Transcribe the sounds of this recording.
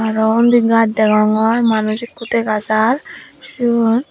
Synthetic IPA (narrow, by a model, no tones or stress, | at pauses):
aɾɔnd̪iɡadɛɡaŋɔɾmanusikːut̪ekasaɾʃun